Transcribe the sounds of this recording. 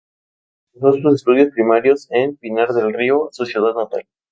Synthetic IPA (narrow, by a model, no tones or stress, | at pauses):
nosos̬est̪uð̞jo̞spɾimaɾjo̞senpinaɾðelriososjeðaðnat̪a̰l